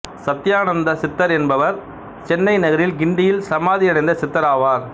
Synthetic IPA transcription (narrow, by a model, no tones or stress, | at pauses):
sɐt̪ːɪjaːnɐnd̪ɐsɪt̪ːɐɾɛnbɐʋɐɾ | t͡ʃɛnːɐɪnɐɣɐɾɪlɡɪɳɖɪjɪlsɐmaːðɪɐɳɐɪnd̪ɐsɪt̪ːɐɾaːʋaːɾ